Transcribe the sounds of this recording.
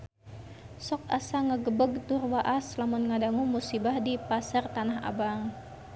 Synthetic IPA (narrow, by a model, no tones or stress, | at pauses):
sɔk̚asaŋəɡəbəɡ̚t̪ʊrwaʔaslamunŋadaŋumusibahdipasart̪anaɦa̰baŋ